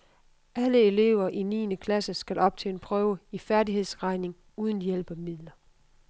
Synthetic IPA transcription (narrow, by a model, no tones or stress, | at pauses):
ʔæləe̝le̝ʊɐʔinḭːnəkʰlæsəsɡ̥ælʔɒ̽b̥̚t͡sʰḛːenpʰʁœːʊəifæɐdiɦe̝ð̰ˠsʁɑ̈ɪne̝ŋ | uːð̞ˠən̩jel̰b̥æmið̰ˠlɐ